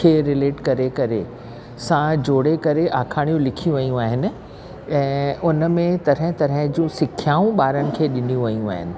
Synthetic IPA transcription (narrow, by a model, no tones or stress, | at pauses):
eːɾɪleːʈkɐɾekɐɾe | sãd͡ʑoːɽekɐɾeʔaːkʰaːɽ̃ijũlɪkʰijũʋɐjũaːɦɪnɪ̆ | ɛ̃ːʊnə̆mẽt̪ɐɾə̃t̪ɐɾə̃d͡ʑũːsɪkʰjaːũɓaːɾənɪ̆kʰeːɗɪnijũʋɐjũaːɦɪ̰nɪ̆